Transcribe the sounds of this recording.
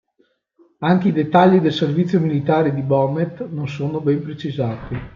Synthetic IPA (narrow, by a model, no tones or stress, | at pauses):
aŋk̟eid̪et̪ːaʎːid̪elservit̪sːjomilit̪aːɾed̪ibɔmet̪nonsoːnobɛmpɾet͡ʃizaːt̪i